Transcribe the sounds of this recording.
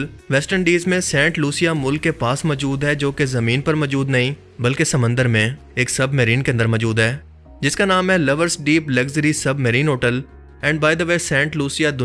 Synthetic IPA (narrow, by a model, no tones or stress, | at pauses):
l | ʋɛsʈəɳɖiːzmẽsɛ̃ːɳʈluːsijamʊlkːepaːsmɔːd͡ʒuːd̪ɦɛd͡ʒoːkezɐmĩːnpɐɾmɔːd͡ʒuːd̪nɐɦĩ | bɐlkesɐmə̃nd̪əɾmẽ | eːksɐbməɾiːnkeɐ̃nd̪əɾmɔːd͡ʒuːd̪ɦɛː | d͡ʒɪskanaːmɦɛ̃lɐʋəɾsɖiːplɐɡzəɾisɐbməɾiːnɦoːʈəl | ɛ̃ːɳɖ̚baːɪd̪əʋeːsɛ̃ːɳʈluːsijad̪ʊ